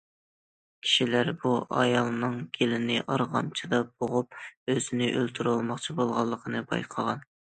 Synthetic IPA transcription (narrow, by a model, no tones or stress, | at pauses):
kʲʰi̥ʃilæɾbuʔɑ̰jɑlˠnɨŋɡʲelɪnɪʔɑɾʁɑ̰mt͡ʃʰid̪ɑb̥oʁup̚øzɪnɪʔølt̪ʰyɾolˠmɑχt͡ʃʰibolˠʁɑlˠːəqʰənɨbɑ̰jqʰɑʁɑn